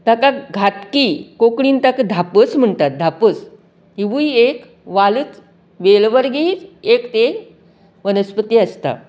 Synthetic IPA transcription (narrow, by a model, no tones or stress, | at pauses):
t̪akaɡʱat̪kikokɽiːnt̪akəd̪ʱapət͡sm̤əɳt̪at̪̚d̪ʱapət͡s | iʋuiek | ʋalut͡s | ʋelʋəɾɡiːɾekt̪e | ʋənəspət̪iːəst̪a̰